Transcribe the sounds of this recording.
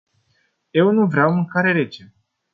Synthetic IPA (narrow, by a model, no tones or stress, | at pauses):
je̞wnuvɾeawmɨŋkaɾe̞ɾet͡ʃe